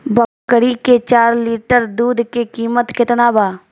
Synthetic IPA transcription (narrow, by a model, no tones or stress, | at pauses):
bəkːəɾiket͡ʃaːɾliːʈəɾd̪uːd̪ʱkekiːmət̪kɪt̪nabaː